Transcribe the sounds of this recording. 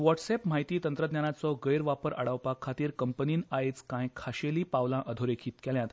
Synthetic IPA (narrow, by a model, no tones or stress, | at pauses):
ʋɔʈsepm̤aɦjt̪iːt̪ənt̪ɾəd̪ɲjanat͡sɔɡəjɾʋapəɾʔa̰ɽaʋpakʰːat̪iːɾkəmpəniːnaet͡skãjkʰaɕeliːpaʋlãʔəd̪ʱoɾekʰiːt̪kɛljãt̪